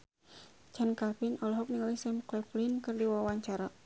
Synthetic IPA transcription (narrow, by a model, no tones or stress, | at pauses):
t͡ʃankapinɔlɔɦɔk̚niŋalisɛmklɛflinkɨrdiwawaɲt͡ʃaɾa